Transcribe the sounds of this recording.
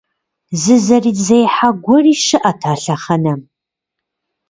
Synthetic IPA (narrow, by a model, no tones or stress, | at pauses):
zɨzɐriːzɐjħaɡʷɔriːʃɨʔɐtʰaːɬɐχɐnɐ